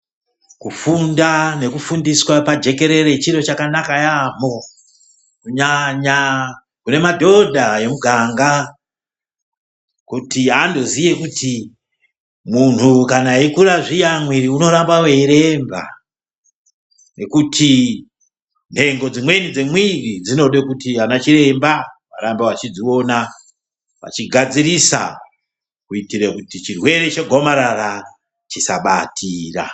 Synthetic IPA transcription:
kufundane̞kufundiswapad͡ʒe̞ke̞ɾe̞ɾe̞t͡ʃiɾo̞t͡ʃakanakajam̤o̞ | kuɲaɲa | kune̞madʱo̞dʱaje̞muɡʱaŋɡa | kutiando̞zije̞kutʰi | mun̤ukanaikuɾaʐijamwiɾiuno̞ɾambaweɾe̞mba̰ | ne̞kutʰi | n̤e̞ŋɡo̞d͡zimwe̞nid͡zemwirid͡zino̞ɗekutianat͡ʃire̞mbaʋaɾambeat͡ʃid͡zio̞na | ʋa̰t͡ʃiɡʱad͡zirisa̰ | kuitirekutit͡ʃirwe̞ɾe̞t͡ʃeɡʱo̞maɾara | t͡ʃisaɓa̰tʰiːra̰

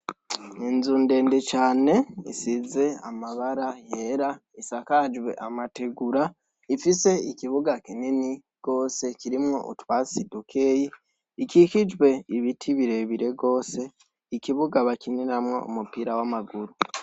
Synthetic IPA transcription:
inzuːnde̞ːndet͡ʃaːne̞ḭsize̞a̰maβaɾaje̞ɾaisakad͡ʒwe̞̰ʔamateɡuɾa | ifise̞ikiβuɡakinini | ɡ̥o̞ːse̞kiɾimŋo̞̰ʔṵtuβasidukʰeːjiː | kikid͡ʒwe̞iβitʰiβiɾe̞βiɾe̞ɡo̞ːse̞ | ikiβuɡaβakininamŋo̞̰ṵmupiɾawamaɡuɾu

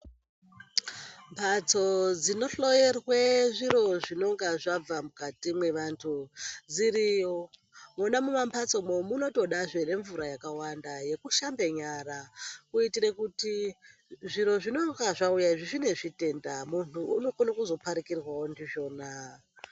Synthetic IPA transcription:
mpʰat͡so̞d͡zino̞ɬo̞jerweʐiɾo̞ʐino̞ŋɡaʐab͡vamukatimwe̞ʋantʰud͡ziɾijo | munamumampʰat͡so̞momuno̞to̞ɗaʐene̞ɱvuɾajakawandaje̞kuʃambeɲaɾakuitiɾekuti | ʐiɾo̞ʐino̞ŋɡaʐaujaʐiʐine̞ʐite̞ndamunuːno̞konakuzo̞paɾikirwaondiʐo̞ːna

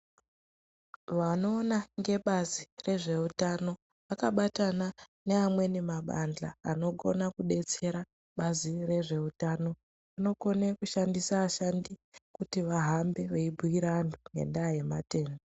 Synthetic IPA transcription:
ʋano̞ːnaŋɡe̞ɓazire̞ʐe̞utano̞ | ʋakaɓatananeamwe̞nemaɓa̰nd͡ɮa̰ːno̞ɡo̞̰nakuɗe̞t͡se̞ɾa | ɓazire̞ʐe̞utano̞ | ʋano̞ko̞nekuʃandisaːʃandikutiʋaɦambe̞ʋeibʱuiɾanduŋɡe̞̰nɗaje̞mate̞ːndo

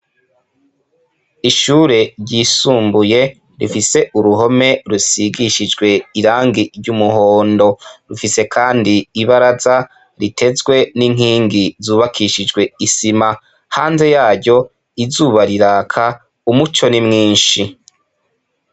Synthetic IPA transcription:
iʃuːɾe̞ɾɟiːsuːmbuje̞ | ɾifise̞ʔuɾuɦo̞me̞ɾusiɡiʃid͡ʒɡwe̞iɾaːŋɡiɾɟumuhoːndo̞ɾufise̞kʰaːndiːβaɾaza | ɾitʰe̞zɡwe̞niŋ̥hiːŋɡizuːβakʰiʃid͡ʒɡwe̞isima | haːnze̞jaːɾɟo̞ | izuβaɾiɾaːkʰa | umut͡ʃo̞nimŋiːnʃi

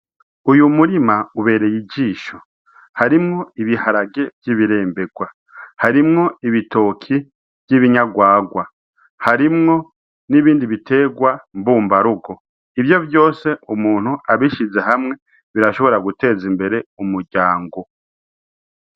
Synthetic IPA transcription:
ujumuɾimauβe̞ːɾe̞jiɟiːʃo̞̥ | haɾimŋo̞iβihaɾaɡe̞vjiβiɾe̞ːmbe̞ɡwa | haɾimŋo̞iβitʰo̞kʰi | v̥jiβiɲaɡwaːɡwa | haɾimŋo̞ | niβiːndiβite̞ːɡwambuːmbaɾuɡo̞ | ivjo̞vjo̞ːse̞umuːn̥huʔaβiʃize̞ɦamŋe̞ | βiɾaʃo̞βo̞ɾaɡute̞ːzimbe̞ɾe̞umuɟaːŋɡo̞

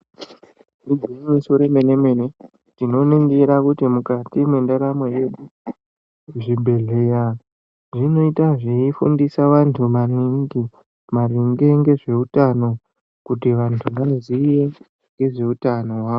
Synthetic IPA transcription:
riɡʱiɲisoɾemenemene | tino̞neŋɡeɾakutimukatimwendaɾamweje̞ɗu | ʐibʱe̞ɮe̞ja | ʐino̞itaʐiifundisaʋantʰumariŋɡi | mariŋɡe̞ŋɡe̞ʐe̞utano̞ | kutiʋantʰuʋazije | ŋɡe̞ʐe̞utano̞waːʋo

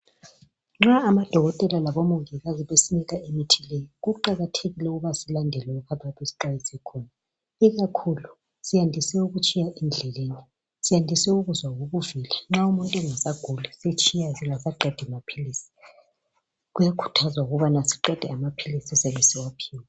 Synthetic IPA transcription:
ŋ͡ǁaːmad̥ʱɔɣɔtʼɛlalaβomuŋɡɛɣaziβesiniɣaemitʰilejɔɣuǃaɣatʰeɣilɛuɣuβasilandʱɛlɛukʰatʰʼwatʰesi̥ǃajisɛkʰɔna | iɣakʰulu | sijandʱisɛuɣut͡ʃʼijaʔɛnd͡ɮʱɛleni | sijandʱisɛuɣuzwaɣoβuviliŋ͡ǁaumuntʼɛŋasaɡ̥ʱulɛset͡ʃʼijaziŋasaǃʱɛd̥ʱɛmapʰilisi̥ | ɣujakʰu̥tʰazwauɣuβanasi̥ǃɛd̥ʱɛamapʰilisiɛsɛβɛsiwapʰiːwa

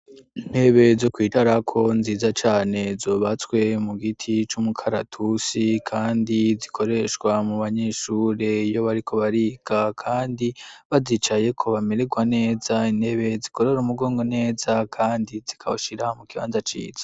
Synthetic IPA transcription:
in̥he̞βe̞zokwiːtaɾakʰo̞nziːzat͡ʃaːne̞zo̞ːβat͡skwe̞muɡitʰit͡ʃumukʰaɾatʰusikʰaːndizikʰo̞ɾe̞ʃɡwamuβaɲe̞ʃuːɾe̞ijo̞βaɾikʰo̞βaɾiɡakʰaːndiβazit͡ʃaje̞kʰo̞βame̞ɾeɡwane̞ːzaine̞βe̞ziko̞ɾe̞ɾumuɡo̞ːŋɡo̞ne̞ːzakʰaːndizikʰa̰oʃiɾamukiβa̰ːnzat͡ʃḭːz̥ḁ

